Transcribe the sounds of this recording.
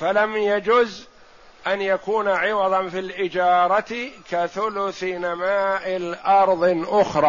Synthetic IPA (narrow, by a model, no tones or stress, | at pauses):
falamjad͡ʒʊz | ʔanjakuːnaʕɪwɑðˤɑnfilʔɪd͡ʒɑːɾˤɑt̪kaθʊlʊθnamaːʔɪlʔɑɾˤðˤʔʊxɾˤɑː